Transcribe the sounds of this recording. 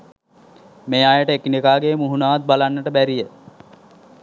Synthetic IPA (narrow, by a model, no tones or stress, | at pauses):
meːaːjəʈəekinekaːɡeːmuɦunaːʋat̪̚balanːəʈəbæɾijə